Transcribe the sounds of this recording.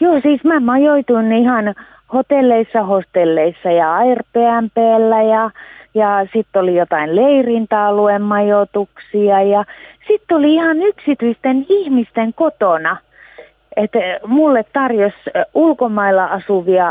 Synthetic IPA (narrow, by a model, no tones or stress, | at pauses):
joːsiːsmæmɑjoit̪uinihɑn | hot̪elːeisːɑhost̪elːeisːɑjɑɑirpeæmpeælːæjɑjɑsit̪ːolijot̪ɑinleirint̪ɑːluemmɑjot̪uksiɑjɑsit̪ːoliihɑnyksit̪yist̪enihmist̪eŋkot̪onɑ | et̪mulːet̪t̪ɑrjosulkomɑilːˑɑʔɑsuʋiɑ